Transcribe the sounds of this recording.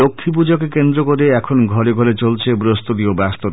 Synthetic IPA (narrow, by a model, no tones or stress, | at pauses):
okʰːip̬ud͡ʑok̬ekend̪ɾokoɾeɛkʰonɡʱɔɾeɡʱɔɾet͡ɕolt͡ɕʰebɾost̪od̪iobast̪o